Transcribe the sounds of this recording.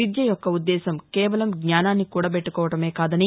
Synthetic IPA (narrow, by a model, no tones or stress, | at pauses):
id̪jɐjɔkːɐud̪ːɛːsɐmkɛːʋɐlɐmɡɲaːnaːnːikuːɽaːpeʈːukɔːʋɐʈɐme̞ːkaːd̪ɐni